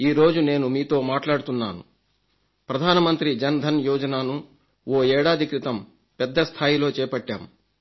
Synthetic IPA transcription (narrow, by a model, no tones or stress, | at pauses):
iːɾo̞ːd͡ʒune̞ːnumiːt̪o̞ːmaːʈlaːɽut̪unːaːnṵ | pɾɐd̪ʱaːnɐmɐnt̪ɾid͡ʒɐnd̪ʱɐnjɔːd͡ʒɐnaːnu | woːɛːɽaːd̪ʱikɾit̪ɐm | pɛd̪ːɐst̪ʰaːjilo̞ːt͡ʃɛːpɐʈːa̰ːm